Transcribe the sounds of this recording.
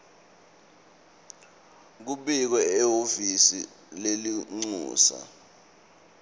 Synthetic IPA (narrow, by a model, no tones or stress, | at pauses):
k̬uɓik̬wɛɛɦofisḭ | leliŋ͡ǀṵːsa̰